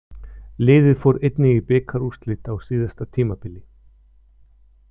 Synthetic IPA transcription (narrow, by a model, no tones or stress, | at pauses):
lɪːðɪðfowɾejt̪nɪɣɪpɪːkʰaɾust̪lɪt̪awsiːðast̪at̪ʰiːmapɪlːɪ